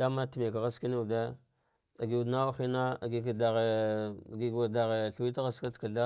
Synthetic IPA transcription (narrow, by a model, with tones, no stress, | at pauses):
da˦ma˦tə˨me˨ka˨ɣa˦ski˦ni˦u˨de˦ | a˨ɡi˨u˨dna˦wa˦xi˦na˦a˨ɡi˨ka˨da˨ɣe˨ɡi˨ɡa˨da˨ɣe˨ɬwi˦ta˦ɣa˦ska˦tka˨ɮa˦